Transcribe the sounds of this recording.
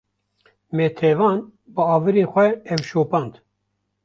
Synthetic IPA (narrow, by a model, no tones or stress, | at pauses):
mɛt̪ʰɛvɑːn | bəɑːvɨɾeːnxʷɛɛwʃoːpɑːnd̪